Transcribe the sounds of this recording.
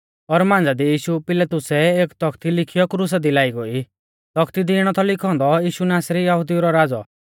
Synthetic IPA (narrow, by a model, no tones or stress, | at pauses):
ɔːɾmãːnd͡zad̪ijiːʃupɪlat̪ʊsɛeːkt̪ɔk̚ʰt̪ilɪkʰijɔkɾus̬ad̪ilaːiɡoi | t̪ɔkʰt̪id̪iɪɽ̃ɔt̪ʰɔlɪkʰɔ̃ːnd̪ɔjiːʃunaːsɾijɐɦʊd̪ijuɾɔɾaːd͡zɔ̰